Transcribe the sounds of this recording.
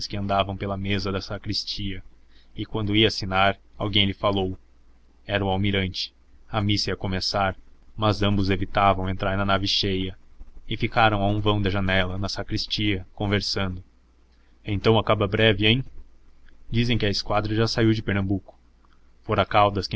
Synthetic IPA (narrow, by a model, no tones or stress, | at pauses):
skɪɐ̃nd̪avɐ̃w̃pelɐmezɐd̪ɐsakɾist͡ʃiɐ | ɪkwɐ̃nd̪ʊiɐasinaɾawɡẽj̃lɪfalow | ɛɾɐũawmiɾɐ̃nt͡ʃɪ̥ | ɐmisɐiɐkomesaɾmɐzɐ̃mbʊzevit̪avɐ̃w̃ẽnt̪ɾaɾnɐnavɪʃejɐɪfikaɾɐ̃w̃aũvɐ̃w̃d̪ɐʒɐnɛlɐnɐsakɾist͡ʃiɐkõveɾsɐ̃nd̪ʊ | ẽt̪ɐ̃w̃akabɐbɾɛvɪẽj̃ | d͡ʒizẽj̃kɪɐɪskwad̪ɾɐʒasaiwd͡ʒɪpeɾnɐ̃mbukʊ̥ | foɾɐkawd̪ɐskɪ